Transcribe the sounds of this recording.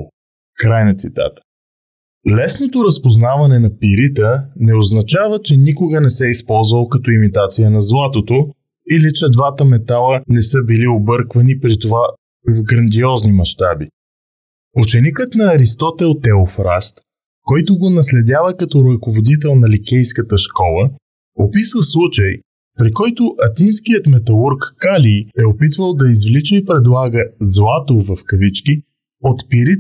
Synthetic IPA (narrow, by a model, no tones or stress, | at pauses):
kɾajnɐt̪sit̪a̰t̪ə̥ | lɛsnot̪oɾəspoznavɐnɛnɐpiɾit̪ənɛoznɐt͡ʃavət͡ʃɛnikoɡənɛsɛispɔlˠzvəlˠkɐt̪ɔimit̪at̪sijənɐzlˠat̪ot̪o | ilit͡ʃɛd̪vat̪əmɛt̪alˠənɛsɤbiliobɤɾkvɐnipɾit̪ova | vɡɾɐnd̪iɔznimɐʃt̪abi | ut͡ʃɛnikət̪nɐːɾist̪ɔt̪ɛlˠt̪ɛofɾast̪ | kɔjt̪ʊɡonɐslɛd̪ʲavəkɐt̪ɔɾɐkovod̪it̪̬ɛlˠnɐlikʲɛjskət̪əʃkɔlˠə | opisvəslˠut͡ʃəj | pɾikɔjt̪ʊʔɐt̪inskijət̪mɛt̪ɐlˠuɾkːaliɛopit̪vəlˠd̪ɐizvlit͡ʃəipɾɛd̪lˠaɡəzlˠat̪ovɐfkɐvit͡ʃki | ot̪piɾi